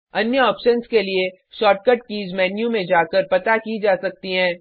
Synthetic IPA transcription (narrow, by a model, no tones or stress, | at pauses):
ɐnjəɔːpʃənskelie | ʃɔːʈ̚kəʈ̚kiːzmɛːnjũmẽd͡ʒaːkəɾpɐt̪akid͡ʒaːsɐk̚t̪iɦɛ̃ː